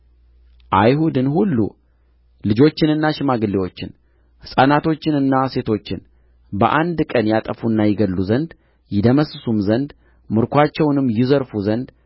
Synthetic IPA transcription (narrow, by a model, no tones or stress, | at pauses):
ʔajhud̪ɨnhulːṵ | lɨd͡ʒo̞t͡ʃːɪnɨnːaʃɪmaɡɨlːewo̞t͡ʃːɪn | hɨsʼanat̪ʰo̞t͡ʃːɪnɨnːase̞t̪ʰo̞t͡ʃːɪn | bəʔand̪kʼənjat̪ʼəfunːajɪɡəlːuzənd̪ | jɪd̪əməsɨsumzənd̪ | mɨɾkʰʷat͡ʃːɛwnɨmːjɪzəɾfuzənd̪